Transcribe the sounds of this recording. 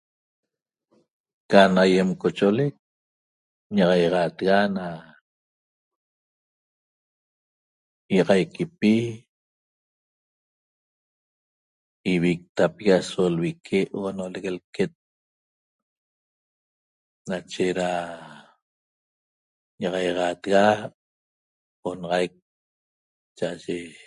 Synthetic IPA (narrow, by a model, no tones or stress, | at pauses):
kanajemkot͡ʃʔolek̚ | ɲɑʁɑjʁɑːt̪ɣana | jɑʁɑjkʰipi | iβik̚t̪apiɣasolwikʰeʔonoleɣelket̪̚ | nat͡ʃeɾa | jɑʁɑjʁɑːt̪ɣa | onɑʁɑjk̚ | t͡ʃaʔaʒe